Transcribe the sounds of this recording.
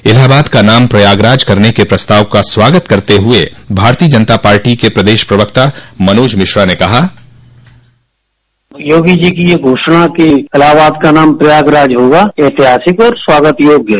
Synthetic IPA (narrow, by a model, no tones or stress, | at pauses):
ɪlaːbaːd̪kanaːmpɾɐjaːɡɾaːd͡ʒkɐɾnekepɾɐst̪aːʋkaswaːɡət̪kɐɾt̪eɦʊebʱaːɾt̪iəd͡ʒɐnət̪apaːɾʈikepɾɐd̪eːʃpɾɐʋək̚t̪amɐnoːd͡ʒmɪʃɾanekɐɦaː | joːɡid͡ʒikijeɡʱoːʃɽ̃akeɪlaːbaːd̪kanaːmpɾɐjaːɡɾaːd͡ʒɦoːɡaet̪ɪɦaːsɪkɔːɾswaːɡət̪joːɡjə